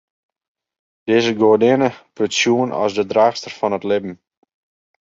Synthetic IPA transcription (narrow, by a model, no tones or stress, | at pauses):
d̥ɪzəɡodɪnəpøtsjuənɔ̰sdədraːxstərfɔnətlɪbm̩